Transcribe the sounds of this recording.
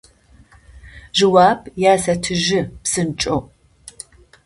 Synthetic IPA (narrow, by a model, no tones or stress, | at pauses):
ʒɨwaːbjaːsɐtʰɨʒɪpsɨnt͡ʃʼo